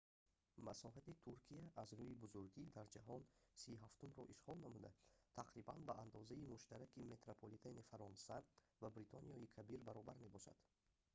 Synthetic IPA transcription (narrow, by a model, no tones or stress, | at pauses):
masɔɦat̪it̪ʰuɾkʰiaʔːzɾuibuzuɾɡid̪aɾd͡ʒaɦɔnsiɦaft̪umɾɔʔiʃʁɔlnamud̪a̰t̪ʰaqɾibanbaand̪ɔzaimuʃt̪aɾakime̞t̪ɾopʰolit̪ʰanifaɾɔnsa | vabɾit̪ʰɔnijɔikʰabiɾbaɾɔbaɾme̞bɔʃa̰d̪̥